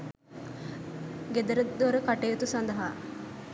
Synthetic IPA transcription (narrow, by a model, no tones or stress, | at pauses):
ɡed̪ɐɾəd̪ɐɾəkɐʈejut̪usɐnd̪ɐɦaː